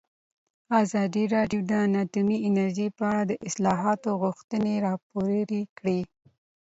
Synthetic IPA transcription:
ɑzɑd̪iɾɑɖjod̪əanɑt̪umiɪnaɾʒipəaɽad̪əʔɪslɑɦɑt̪oɣʊxt̪əneɾɑpoɾɾikɽi

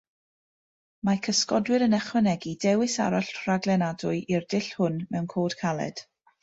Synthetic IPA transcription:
makʰəskɔdwɪɾənɛχwɛnɛɡidɛwɪsa̰ɾaɬr̥aɡlˠɛnadʊɨʔirdɪɬhʊnmɛwnkʰoːd̥kʰalˠɛ̰d̥

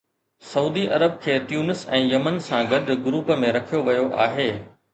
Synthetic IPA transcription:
sɐuːd̪iʔɐɾəb̚kʰeːtjuːnɪsɛ̃ːjɐmənsãɡɐɗɡʊɾuːpəmẽɾɐkʰijoʋɐjoʔaːɦeː

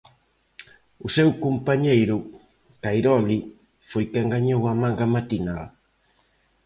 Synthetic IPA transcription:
usewkumpaɲejɾu | kajɾɔli | fojkeŋɡaɲowamãŋɡamat̪inal

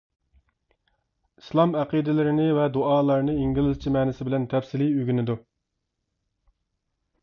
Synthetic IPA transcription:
i̥slˠɑmæqid̪ɪlɪɾɪnɪvɛd̪uɑːlˠɑɾnɨiŋɡʲilˠɪzt͡ʃʰimɛːnɪsɪbɪlɛnt̪ʰɛfsɪliøɡʲynɪd̪u

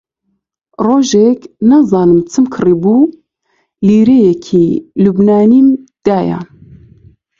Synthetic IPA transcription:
roːʒeknazɑːnɨmt͡sʰɨmkʰɨribu | liːɾejɛkʰilubnaːnimd̪̥aːja̰

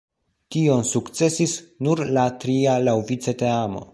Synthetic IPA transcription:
tio̞nsukt͡se̞sisnuɾlatɾialawvit͡se̞te̞amo̞̰

